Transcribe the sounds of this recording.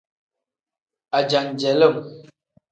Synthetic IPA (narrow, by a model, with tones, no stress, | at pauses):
a˨d͡ʒa˨ŋd͡ʒɛ˨lə˦˨m